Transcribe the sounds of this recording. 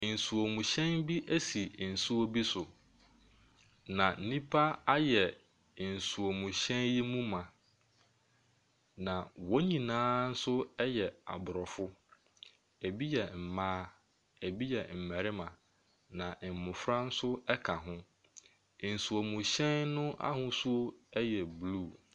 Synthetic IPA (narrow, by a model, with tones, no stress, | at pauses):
n̩˨su˨o˨mũ˨ɕɛ̃˦nbi˦ʔæ˦si˨n̩˨su˦o˦bi˦sʊ˨ | nã˨n̩˦nĩ˦pʰa˦a˦jɛ˨ | n̩˨su˨o˨mũ˨ɕɛ̃˦nji˦mũ˦mã˨ | nã˨wɔ˦ɲĩ˨nãː˦n̩˦sʊ˦ɛ˦jɛ˨a̰˨bʊ˨ɾɔ˨fʊ˦ | æ˨bi˦jɛ˨m̩˨mãː˦ | æ˨bi˦jɛ˨m̩˨mɛ˨ɾɪ˦mã˨ | nã˨m̩˨mʊ̃˨fɾa˦n̩˦sʊ˦ɛ˦kʰa˨ɦʊ̃˦ | n̩˨su˨o˨mũ˨ɕɛ̃˦nnʊ̃˦ʔa̰˦hʊ̃˦su˦o˦ɛ˦jɛ˨bluː˦˨